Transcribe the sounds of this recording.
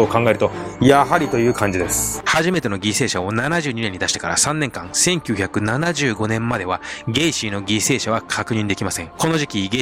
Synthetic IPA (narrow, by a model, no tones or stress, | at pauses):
ookãŋɡae̞ɾɯ̟t̪o̞jaɦaɾʲit̪o̞jɯ̟ːkãɲ̟d͡ʑid̪e̞sɨ̥haʑime̞t̪e̞no̞ɡʲise̞ːɕao̞nanaʑɨːɲ̟ine̞ɲːid̪aɕi̥t̪e̞kaɾa̰sãnːẽ̞ŋkãsẽ̞ŋkʲɨːçakɯ̟nanaʑɨːɡo̞nẽ̞mmad̪e̞β̞aɡe̞ːɕiːno̞ɡʲise̞ːɕaβakʰakɯ̟ɲ̟ĩnd̪e̞kʲimasẽŋko̞no̞ʑikʲiɡe